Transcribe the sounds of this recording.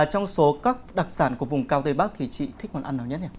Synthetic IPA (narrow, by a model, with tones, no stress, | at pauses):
t͡ɕɔ˧wŋ͡mso˨˦kaː˦˥k̚ɗa˨˩t̚saː˧˩nku˧˩əvʊ˨˩ŋ͡mkaː˧wt̪eː˧ɓaː˦˥k̚t̪ʰi˨˩t͡ɕḭ˧˨t̪ʰï˦˥k̚mɔ˨˩t̚ʔa˧nə˨˦wɲə˦˥t̚ɲa˧˩